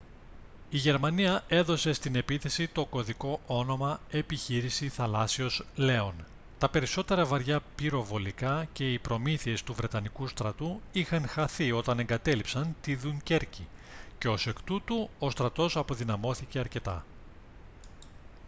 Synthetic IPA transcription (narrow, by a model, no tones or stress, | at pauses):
iʝe̞ɾmɐniɐe̞ðo̞se̞st̪ine̞piθe̞sit̪o̞ko̞ðiko̞ʔo̞no̞mɐe̞piçiɾisiθɐlɐsio̞sle̞o̞n | t̪ɐpe̞ɾiso̞t̪e̞ɾɐvɐɾʝɐpiɾo̞vo̞likɐce̞ipɾo̞miθie̞st̪uvɾe̞t̪ɐnikust̪ɾɐt̪uixɐŋxɐθio̞t̪ɐne̞ŋɡɐt̪e̞lipsɐnt̪iðuɲce̞ɾcice̞o̞se̞kt̪ut̪uo̞st̪ɾɐt̪o̞sɐpo̞ðinɐmo̞θice̞ɐɾce̞t̪ɐ̰